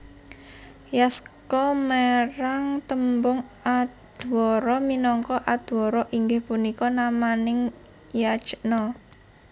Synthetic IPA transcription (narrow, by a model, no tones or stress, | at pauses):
jaskɔmeɾaŋt̪əmbʊŋ | add̪̥wɔɾɔminɔŋkɔʔad̪̥wɔɾɔʔiŋɡɪhpunikɔnamanɪŋ | jḁt͡ʃəʔnɔ